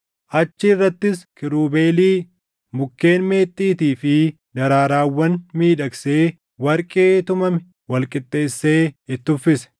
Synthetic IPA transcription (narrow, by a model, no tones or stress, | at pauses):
ʔɐt͡ʃːɪrːɐt̪ːɪskɪɾuːbe̞ːliː | mʊkːe̞ːnme̞ːt̪ʼːiːt̪iːfɪ | d̪ɐɾaːɾaːwːɐnmiːᶑɐkse̞ː | wɐɾkʼeːt̪ʊmɐmɪ | wɐlkʼɪt̪ʼːe̞ːsːe̞ːɪt̪ːʊfːɪsɛ̥